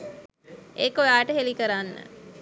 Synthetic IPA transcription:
eːkojaːʈəɦelikəɾanːə̰

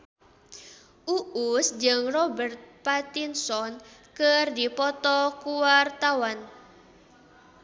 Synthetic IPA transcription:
ʔuʔusd͡ʒəŋrɔbərt̪̚pat̪insɔnkərdipɔt̪ɔkuwart̪awan

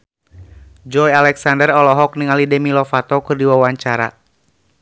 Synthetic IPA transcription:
d͡ʒɔjalɛksandərɔlɔɦɔk̚niŋalidɛmilɔfat̪ɔkɨrdiwawaɲt͡ʃaɾa̰

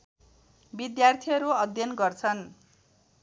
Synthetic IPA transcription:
bid̪jart̪ʰiʌɾuʌd̪ʱjʌnɡʌrt͡sʰʌn

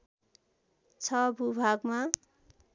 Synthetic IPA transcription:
t͡sʰʌbʱubʱaɡma

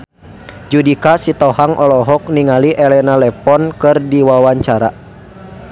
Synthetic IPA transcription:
d͡ʒudikasit̪ɔhaŋʔɔlɔɦɔk̚niŋaliʔɛlɛnalɛpɔnkɨrdiwawaɲt͡ʃaɾa̰

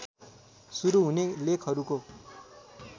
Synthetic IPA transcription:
suɾuɦunelekʰɦʌɾuko

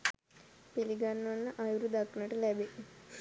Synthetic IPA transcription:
piliɡanːʋanːəʔajuɾud̪aknəʈəlæbe

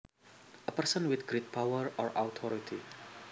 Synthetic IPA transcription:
əpəɾsə̃nwɪd̪ɡɾit̚pʰawəɹɔɹawt̪ʰɔɹitʰḭ

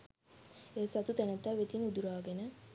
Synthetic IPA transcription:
eːsat̪ut̪ænət̪aʋet̪inud̪uɾaːɡenə

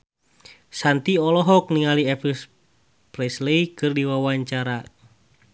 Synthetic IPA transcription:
sant̪iɔlɔɦɔk̚niŋaliɛpis | pɾɛsleikɨrdiwawaɲt͡ʃaɾa

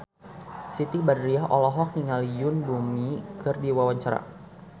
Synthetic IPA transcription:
sit̪ibadɾiaɦʔɔlɔɦɔk̚niŋalijʊnbumikɨrdiwawaɲt͡ʃaɾa̰

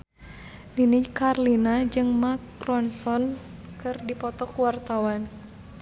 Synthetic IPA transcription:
ninikarlinad͡ʒɨŋmakrɔnsɔnkɨrdipɔt̪ɔkwart̪awan

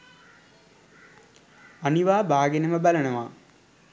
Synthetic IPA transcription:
ɐniʋaːbʱaːɡenɐmɐbɐlɐɳɐʋaː

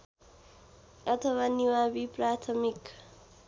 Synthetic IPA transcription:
ʌt̪ʰʌwaniwabiprat̪ʰʌmik

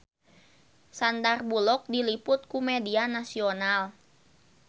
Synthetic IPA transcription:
sandarbulɔk̚dilipʊt̪̚kumedianasional

